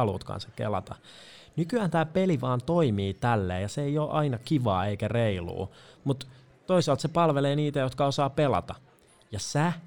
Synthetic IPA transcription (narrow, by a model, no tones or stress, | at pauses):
ɑlṵːt̪kɑ̰nsɑkkḛlɑ̰t̪ɑ̰ | nykyæːnt̪æːpeliʋɑːnt̪oimiːt̪ælːḛːjɑseejoːʔɑinɑkiʋɑːeikæreilṵːmut̪ | t̪oisɑlt̪sepɑlʋeleːniːt̪æjot̪kɑosɑːpelɑ̰t̪ɑ | jɑsæ